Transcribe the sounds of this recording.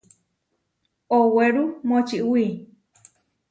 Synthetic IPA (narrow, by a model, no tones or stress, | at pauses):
oweɾumõt͡ʃɨui